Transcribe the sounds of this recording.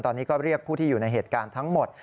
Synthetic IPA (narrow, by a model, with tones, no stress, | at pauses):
nt̪ɔː˧nːiː˦˥kɔː˥˩ɾi˥˩ək̚pʰuː˥˩t̪ʰiː˥˩juː˨˩na˧jɦeː˨˩t̪̚kaː˧nt̪ʰa˦˥ŋmo˨˩t̪̚